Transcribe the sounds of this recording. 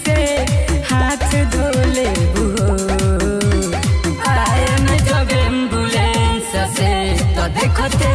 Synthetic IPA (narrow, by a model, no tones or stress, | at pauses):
se | hat̪ʰd̪ʱolebuɦo | ajanid͡ʒɔɡembulesaset̪ɔd̪ekʰɔt̪e